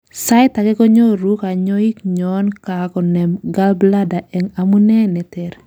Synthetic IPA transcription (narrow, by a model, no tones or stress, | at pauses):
sajt̪akɛkɔɲoɾukaɲɔikɲɔnkakɔnɛmɡalbladaʔɛŋamunɛnɛtɛɾ